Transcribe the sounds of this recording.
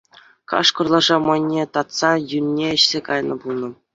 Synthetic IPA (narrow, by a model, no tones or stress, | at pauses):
kɑ̰ʂkŏrlˠɑʐɑmɑnʲːet̪ɑt̪sɑjynʲːeɘ̆ɕsʲekɑjnɤ̆bulˠnɤ̆